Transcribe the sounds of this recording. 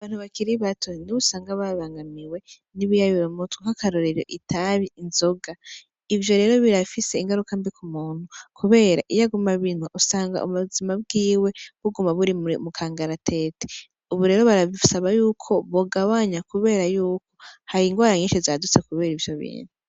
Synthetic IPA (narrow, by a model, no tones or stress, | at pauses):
aβaːn̥huβakiɾiβatʰoniβusaːŋɡaβaβaːŋɡamiwe̞ | niβijaβiɾomutwukakaɾoɾeɾo̰ʔitʰaβiinzo̞ɡa | ivjo̞ɾe̞ːɾo̞βiɾafiseiŋɡaɾukambikumuːn̥hukʰuβe̞ːɾaʔijaɡumaβinuʔusaːŋɡa̰ʔṵmuzimab̚ɡiːwe̞βuɡumaβuɾimumukʰaːŋɡaɾatʰe̞te̥ | uβuɾe̞ːɾoβaɾasaβajuːkʰo̞βoɡawaɲakuβe̞ːɾajuːkʰo̞̥haɾiːŋɡwaːɾaɲiːʃezadut͡sekuβe̞ːɾivjo̞βḭːn̥u